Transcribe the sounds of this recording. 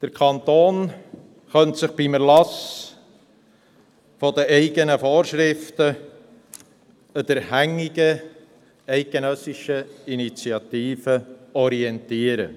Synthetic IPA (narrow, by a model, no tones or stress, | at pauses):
d̥əɾkʰɑnt̪oːn | χœnt̪sɪχb̥iməɾlɑs | fɔd̪əɛɪɡənəfoːɾʃɾɪftə | ədəɾhæŋːiɡə | ɛɪɡ̚ɡenœsːiʃəinit͡siɑt̪iːfəɔɾiɛnt̪iːəɾə̰